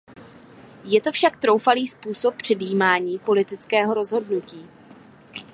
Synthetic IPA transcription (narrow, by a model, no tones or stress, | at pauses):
jɛt̪o̞fʃak̚t̪ɾo̞wfaliːspuːso̞p̚ːr̝̥ɛdjiːmaːɲiːpo̞lɪt̪ɪt͡skɛːɦo̞ɾo̞zɦo̞dnuciː